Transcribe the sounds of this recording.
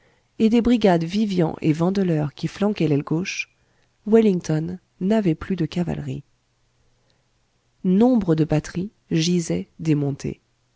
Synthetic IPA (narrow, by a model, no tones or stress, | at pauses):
ed̪ebʁiɡʲad̪vivjɑ̰̃ʔḛvɑ̃d̪əlœʁkʲiflɑ̃kɛlɛlɡoʃ | wiliŋt̪ɔnː | avɛplyd̪əkava̰lʁḭ | nɔ̃bʁəd̪əbat̪χi | ʒizɛd̪emɔ̃t̪ʰḛ